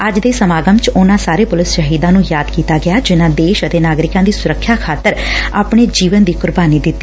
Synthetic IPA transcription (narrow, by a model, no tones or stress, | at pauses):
əd͡ʒd̪eːsəmaːɡəmt͡ʃʊnãːsaːɾeːpʊlɪsʃəɦiːd̪ãːnũːjaːd̪kiːt̪aːɡɪjaːd͡ʒɪnãːd̪eːʃət̪eːnaːɡɾɪkãːd̪iːsʊɾəkʰːjaːkʰaːt̪ːəɾa̰ːpɳ̃eːd͡ʒiːʋənd̪iːkʊɾbaːniːd̪ɪt̪ːiː